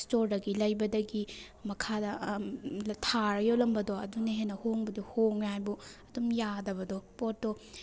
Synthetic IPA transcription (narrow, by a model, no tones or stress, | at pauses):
stoɾdɐɡilɐjbɐdɐɡi | mɐkʰadɐ | tʰaɾɐjolɐmbɐdoɐ̰duneɦenːɐhoŋbɐdihoŋajbuɐdumjadɐbɐdopot̚do